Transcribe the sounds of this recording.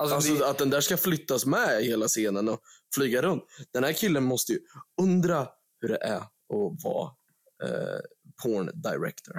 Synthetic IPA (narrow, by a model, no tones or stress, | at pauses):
asɔat̪̚d̪ɛnd̪æːʂkaflʏt̪ːasmɛheːlaseːnənɔ | flyːɡaɾɵnt̪d̪̥ɛnhæːɾkʰɪlːənmɔst̪əjɵɵnd̪ɾa | hɵɖɛ̰ʔæ | ɔvɑ̰ː | pʰoːɳd̪aɪɾɛ̰kt̪ʰə̰ɾ